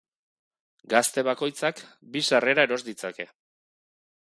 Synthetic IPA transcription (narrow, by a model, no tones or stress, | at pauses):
ɡast̪e̞βako̞jt͡sakbisare̞ɾaeɾo̞zd̪it͡sake̞